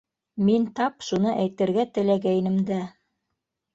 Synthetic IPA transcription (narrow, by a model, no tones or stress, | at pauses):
mint̪ɑpʃunɤʔæjt̪ɘ̆ɾɡæt̪ɘ̆læɡæjnɘ̆md̪æ